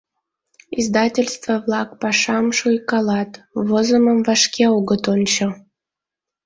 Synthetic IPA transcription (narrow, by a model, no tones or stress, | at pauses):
izd̪ɑtʲelʲst̪vəβlɑk̚pɑʃɑmʃujkɑlɑt̪ | vozəməmvɑʃkʰeoɣət̪onʲt͡ɕo